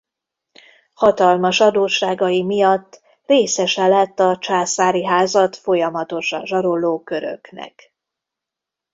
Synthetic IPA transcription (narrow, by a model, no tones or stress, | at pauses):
hɒt̪ɒlmɒʃɒd̪oːʃaːɡɒjimijɒt̪ː | reːsɛʃɛlɛt̪ːɒt͡ʃaːsaːɾiɦaːzɒt̪fo̞jɒmɒt̪o̞ʃɒ̰nʒɒɾo̞loːkø̞ɾø̰knɛ̰k